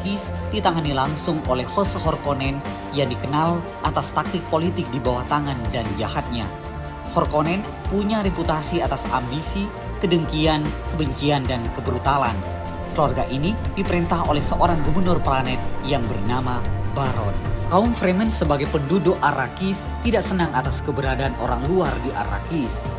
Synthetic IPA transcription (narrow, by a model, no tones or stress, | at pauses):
kis | dit̪aŋanilaŋsʊŋolɛhhɔshɔrkonɛn | jaŋdikənal | ʔat̪ast̪ak̚t̪ɪk̚polit̪ɪk̚dibawaht̪aŋandand͡ʒahat̪̚ɲa̰ | hɔrkonɛn | puɲaɾeput̪asiat̪asa̰mbisi | kədəŋkiankəbəɲt͡ʃiandankəbəɾut̪alan | kəluwarɡaʔinidipəɾint̪aholɛhsəʔoɾaŋɡubərnɔrpəlanɛt̪̚jaŋbərnamabaɾɔ̰nkaumfɾemənsəbaɡajpənduduʔaɾakis | t̪idaʔsənaŋʔat̪askəbəɾadaːno̰ɾaŋluardiʔa̰ɾa̰kis